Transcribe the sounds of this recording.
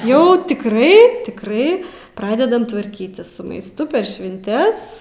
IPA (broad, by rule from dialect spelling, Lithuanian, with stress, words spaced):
jɛʊ tʲɪkˈrɐɪ tʲɪkˈrɐɪ ˈprɑːdʲɛdɐm tʋɐrʲˈkʲiːtʲɪs sʊ mɐɪsˈtʊ pʲɛr ʃʲʋʲɪnʲˈtʲɛs